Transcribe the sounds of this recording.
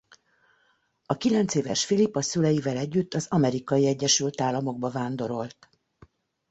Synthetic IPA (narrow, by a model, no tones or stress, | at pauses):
ɒkilɛnt̪seːvɛ̰ʃfilipɒsylɛjivɛlɛɟːyt̪ːɒzɒmɛɾikɒjiɛɟːɛʃylt̪aːlːɒmo̞ɡ̚bɒvaːnd̪o̞ɾo̞lt̪